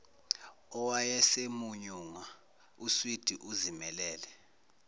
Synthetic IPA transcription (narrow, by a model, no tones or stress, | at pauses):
ɔwajɛsemuɲuːŋwa | uswid̥ʱiʔuzimɛlɛːlɛ